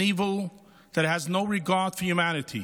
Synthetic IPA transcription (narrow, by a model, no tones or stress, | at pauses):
ivl̩ˠ | ðɨt̚hɨznoʊɹɨɡɑɹd̥fəjʉmænɨɾʰḭ